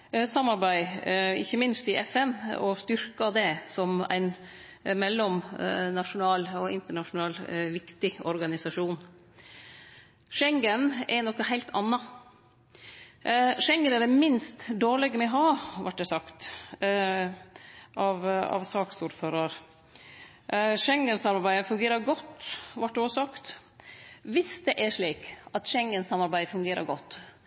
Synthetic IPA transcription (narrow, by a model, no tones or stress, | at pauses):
sɑmːɑɾbæɪɪ̰çːəmɪnst̪ɪʔɛfɛnɔst̪ʏɾkɑd̪ɛsɔmæ̰ɪn | mɛlːɔmnɑʂʊnɑːlɔɪnt̪əɳɑʂʊnɑːlʋɪkt̪ɪɔɾɡɑnɪsɑʂuːn | ʂɛŋɡənɛnɔkːɑhæɪlt̪ʰɑ̰nːɑ | ʂɛŋɡənɛɖ̪ɛmɪnst̪d̪oːɭɛɡəmɛɔɦɑːʋɑʈ̚ːd̪ɛsɑkt̪ | ʔɑʋɑ̰ʋsɑːksuːɾføːɾəɾ | ʂɛŋɡənsɑmɑɾbæɪəfʉŋɡeːɾəɾɡɔt̪ːʋɑʈ̚ːd̪ɛɔsɔkt̪ | ʋɪsd̪ɛʔæʂɭiːkɑt̪ʂɛŋɡənsɑmɑɾbæɪəfʉŋɡeːɾə̰ɾɡɔt̪ː